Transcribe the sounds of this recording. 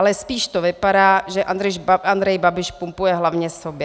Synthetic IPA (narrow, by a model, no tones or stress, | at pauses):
lɛspiːʃt̪ovɪpaɾaːʒɛʔand̪ɾɛʃand̪ɾɛjbabɪʃpumpujɛɦlavɲɛsobjɛ